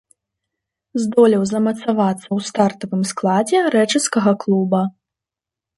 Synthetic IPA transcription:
zd̪ɔlʲiwzɐmɐt̪savat̪sːɐwst̪art̪ɐvɨmsklˠad͡zʲɛɾɛt͡ʂɨskɐɣɐklˠubɐ

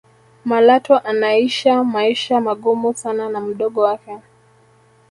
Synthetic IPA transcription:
malatɔʔanaiʃamaiʃamaɠumusananam̩ɗɔɠɔwakɛ

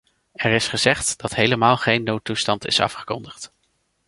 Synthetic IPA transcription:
ɛɹɪsχəz̥ɛχtd̥ɑtɦejləmaːlˠχejnːowtustɑntɪ̰sɑ̰fχə̥kɔndəχt

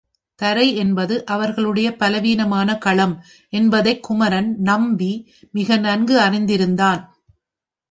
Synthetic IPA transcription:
t̪ɐɾɐɪɛnbɐðɯʔɐʋɐɾɣɐɭɯɽɐjɐpɐlɐʋiːnɐmaːnɐkɐɭɐm | ʔɛnbɐðɐɪkːʊmɐɾɐnnɐmbi | mɪɣɐnɐnɡɯɐrɪnd̪ɪɾɯnd̪aːn

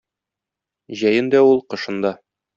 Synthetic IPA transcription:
ʑæjɘnd̪æulˠqɤ̆ʃɤ̆nd̪ɑ

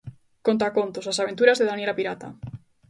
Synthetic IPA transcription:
kont̪akont̪osasaβ̞ent̪uɾazðeðanjelapiɾat̪a̰

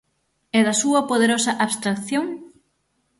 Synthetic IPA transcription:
ɛðɐsuɐpoðeɾosɐʔaβst̪ɾakθjoŋ

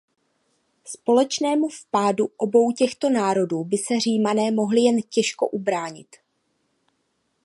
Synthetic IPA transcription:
spo̞lɛt͡ʃnɛːmufpaːduʔo̞bo̞wcɛxt̪o̞naːɾo̞duːbɪsɛr̝iːmanɛːmo̞ɦlɪjɛncɛʃko̞̰ʔubɾaːɲɪ̰t̪

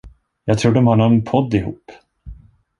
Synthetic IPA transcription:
jɑːɡ̚t̪ʰɾuːɖɔmhaɳɔnpʰɔd̪ːɪhṵːpː

